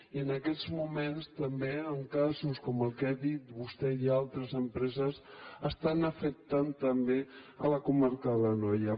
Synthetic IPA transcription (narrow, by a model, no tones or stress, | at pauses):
iənəkɛt̪zmumenst̪əmbeəŋkazuskɔməlˠkɛðit̪βust̪ɛialˠt̪ɾəzəmpɾɛzəsəst̪anəfək̚t̪ant̪əmbeələkumaɾkəðələnɔjə